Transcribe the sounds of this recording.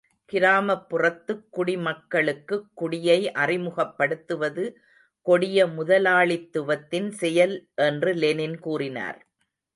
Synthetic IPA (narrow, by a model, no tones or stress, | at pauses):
kɪɾaːmɐpːɯrɐt̪ːɯkːʊɽimɐkːɐɭɯkːɯkːʊɽɪjɐɪʔɐrɪmɯɣɐpːɐɽɯt̪ːɯʋɐðɯ | kɔɽɪjɐmʊðɐlaːɭɪt̪ːɯʋɐt̪ːɪnsɛjɐlʔɛndrɯlɛnɪnkuːrɪna̰ːɾ